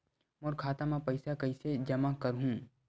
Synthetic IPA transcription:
mʊɾkʰaːt̪amãpɐɪsakɐɪsed͡ʒɐmakɐɾɦũː

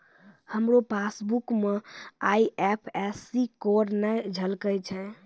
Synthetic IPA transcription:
həmɾopʰasbukmeaiɛpʰɛsikoɾnɛd͡ʒʱəlkət͡ʃʰɛ̃

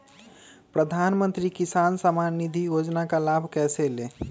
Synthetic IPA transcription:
pɾəd̪ʱanmə̃nt̪ɾikisaːnsəmanːid̪ʱijoːd͡ʒnakalabʱkɛːsele

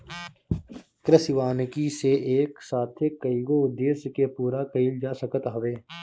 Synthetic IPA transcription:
kɾəsɪʋaːnkiseʔeːksaːt̪ʰekːəiɡoʊd̪ːeːsjkepuːɾakəild͡ʒaːsəkət̪ɦʊʋeː

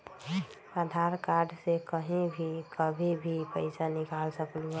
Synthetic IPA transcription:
ad̪ʱaɾkaɾɖsekəɦĩbʱikʰəbʱibʱipəɪsanɪkaːlsəklu

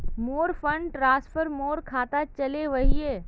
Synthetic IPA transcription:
moːɾfʰə̃ɳɖʈɾãːspʰəɾmoːɾkʰaːt̪at͡ʃɐleʋɐɦieː

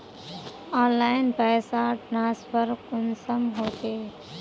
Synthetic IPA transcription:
ãːnlaːjɪnpɛːsaʈnaːspəɾkʊnsəmɦoːt̪eː

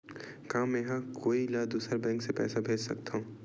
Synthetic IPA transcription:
kaːmːeɦãkoːilaːd̪uːsəɾbɛ̃ːŋksepɛ̰ːsabʱeːd͡ʒsɐk̚t̪aɦũ

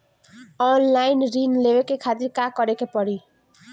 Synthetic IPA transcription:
ɔnlainɾinleʋekekʰat̪iɾkãkɔɾekepɔɽi

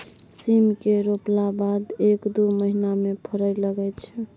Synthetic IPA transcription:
simkeɾoplabad̪ekd̪uməɦinamepʰəɾələɡɛt͡ʃʰɛ

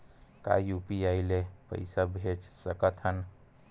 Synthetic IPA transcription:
ka̰jupiaɪlepə̰ɪsabʱet͡ʃsəkət̪ɦən

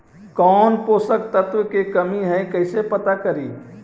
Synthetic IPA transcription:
kɔnposəkt̪ət̪ʋəkekəmiɦə̃jkəɪsepət̪akəɾi

